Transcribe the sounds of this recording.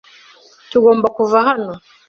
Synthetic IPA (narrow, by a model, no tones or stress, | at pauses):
tuɣɔmbakuvaɦanɔ